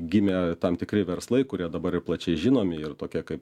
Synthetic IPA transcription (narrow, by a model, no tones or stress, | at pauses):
ɡʲɪmʲeːt̪ɐmt̪ʲɪkɾʲɪʋʲɛɾslˠɐɪkʊɾʲiɛd̪ɐbɐɾɪplˠɐt͡ʃʲɛɪʒʲɪnoːmʲɪɪrt̪oːkʲiɛkɐɪp